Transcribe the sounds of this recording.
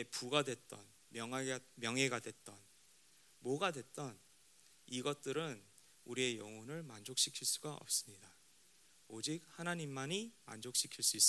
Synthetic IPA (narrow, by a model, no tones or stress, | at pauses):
epuɡadwe̞t̚t͈ʌ̰n | mjʌŋmjʌŋɦe̞ɡadwe̞t̚t͈ʌn | moɡadwe̞t̚t͈ʌn | iɡʌt̚t͈ɯɾɯn | uɾie̞jʌŋʌnɯɭmand͡ʑok̚ɕ͈ikʰiɭs͈uɡaʌ̰p̚s͈ɯmɲida | od͡ʑik̚hanaɲimːaɲima̰nd͡ʑok̚ɕ͈ikʰiɭs͈uis͈